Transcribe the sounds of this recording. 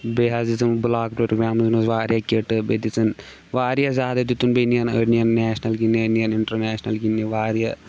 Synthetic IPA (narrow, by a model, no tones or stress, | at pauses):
beːɦazizɐmblaːkpɾoɾoːɡɾaːmznɐsʋaːɾjaːkʲeʈɨbet̪it͡sʰɐn | ʋaːɾjazʲaːd̪ɐd͡ʒ̪ut̪ːunbenijɐnɐɾnijɐnːɛːʃnɐlɡinɐnijɐniɳʈɐɾnɛːʃnɐlɡinːiʋaːɾija